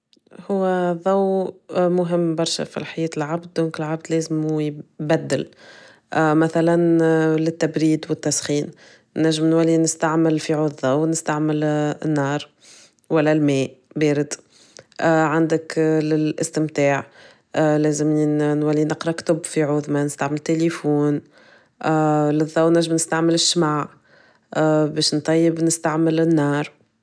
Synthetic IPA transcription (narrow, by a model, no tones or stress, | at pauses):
hʊwːæðˤɑwmʊɦɪmːbɑɾˤʃæ̰fḭlħajɛːt̪ɪlʕabd̪̚d̪oːŋkɪlʕab̚d̪lɛːzɪmujbæd̪ːɪl | mæθælænlɪt̪ːæbɾiːd̪wɪt̪ːæsxiːn | nːæʒːɪmnwælːinɪst̪aʕmɪlfiʕuːððˤɑwnɪst̪aʕmɪlɪ̰nːɑːɾˤ | wælːælmɛːʔbɛːɾɪd̪ | ʕand̪ɪklɪlʔɪst̪ɪmt̪aːʕ | lɛːzɪminwælːinɪqɾˤɑkt̪ʊbːfiʕuːðmanɪst̪aʕmɪlt̪ːelefuːn | lɪðˤːɑwnːæʒːɪmnɪst̪aʕmɪlɪʃːmaːʕ | bɛːʃnt̪ˤːɑjːɪbnɪst̪aʕmɪlɪnːɑːɾˤ